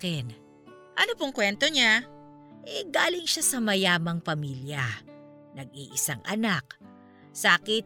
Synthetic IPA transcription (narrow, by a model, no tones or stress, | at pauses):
kɛn | ʔɐnopoŋkwɛnt̪oɲa | ʔɛɡaːlɪŋʃasɐmɐjaːmɐŋpɐmiːljɐ | nɐɡ̚iːʔɪsaŋʔɐ̰nak̚ | sakɪ